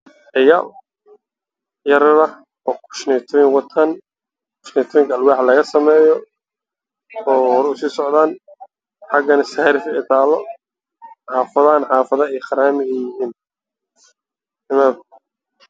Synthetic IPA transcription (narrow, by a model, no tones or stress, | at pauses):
ɪjɐl | jɐɾlɐ | ɔːkʰʊ̥ʃnɛjt̪ʰɔjɪŋwɑt̪ʰɐn | kʰʊ̥ʃnɛt̪ʰɔːjɪŋkʰɐlwɑːħlɐɣɐsɐmɛːjɔ | ɔːhɔɾʊsiːsɔʕðaːn | ħɑɡɐnɪsaːɾɪfɪɪt̪ʰaːlɔ | ħɑːfɐðɐɐnħɑːfɐðɐɛjχɐɾaːmɪɣɛjɪɦiːn | ɪmab